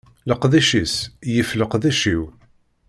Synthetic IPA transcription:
ləqðæʃisjəfləqðæʃiw

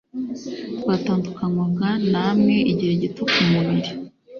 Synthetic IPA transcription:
twaːtaːndukaŋwabɡanamŋeʔiɟiheɟitokumuβiɾi

